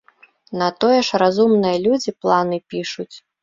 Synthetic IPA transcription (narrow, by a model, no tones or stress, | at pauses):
nɐt̪ɔjɛʂrazumnɨjɐlʲud͡zʲiplˠanɨpʲiʂut͡sʲ